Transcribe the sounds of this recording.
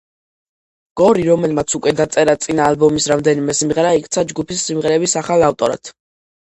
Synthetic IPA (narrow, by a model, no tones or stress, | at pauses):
ɡ̥ɔɾiɾɔmɛlmat̪sʰukʼwɛd̪at̪sʼɛɾat̪sʼinaːlbɔmisɾamd̪ɛnimɛsimʁɛɾaikʼt̪sʰad͡ʒɡupʰisːimʁɛɾɛbisaχalaft̪ʼɔɾa̰t̪ʰ